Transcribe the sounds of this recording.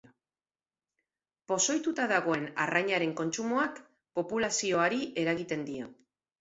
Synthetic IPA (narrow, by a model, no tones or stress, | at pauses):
po̞so̞jt̪ut̪aðaɣ̞o̞e̞na̰rajɲaɾe̞ŋko̞nt͡ʃumoak | po̞pulasio̞aɾiʔe̞ɾaɣit̪e̞nd̪io̞̰